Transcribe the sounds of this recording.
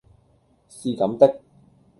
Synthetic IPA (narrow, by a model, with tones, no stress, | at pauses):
siː˨˧kɐ˨˥mt̪ɪ˥k̚